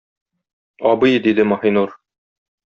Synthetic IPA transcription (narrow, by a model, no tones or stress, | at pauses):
ɒbɤjd̪id̪ɘmɒhinuɾ